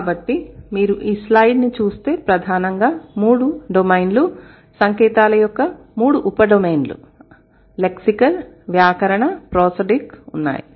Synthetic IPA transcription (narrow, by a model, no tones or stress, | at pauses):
kaːbɐʈːimiːɾuʔiːslɐjɖnit͡ʃuːst̪e̞ːpɾɐd̪ʱaːnɐŋɡaːmuːɽuɖomɐjnlu | sɐŋkɛːt̪aːlɐjɔkːɐ | muːɽuʔupɐɖomeːnlṵ | leksikɐlʋjaːkɐɾɐɳɐpɾɔːsɐɖikunːa̰ːjḭ